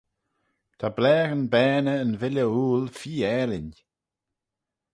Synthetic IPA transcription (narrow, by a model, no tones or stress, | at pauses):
t̪ʰablɛːɡənbɛːnəːnvɪlʲəuːlfiːɛːlɪn